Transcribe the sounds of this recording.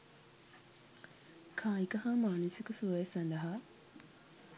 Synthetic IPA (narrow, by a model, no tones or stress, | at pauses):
kʰãːikəɦaːmaːnəsikəsuɐjesɐnd̪ɐɦa